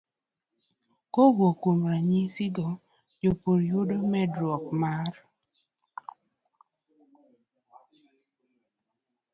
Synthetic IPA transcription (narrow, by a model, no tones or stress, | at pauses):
kowokwoŋɾaɲisɪɡɔ | d͡ʒopoɾjudomɛdɾɔkmar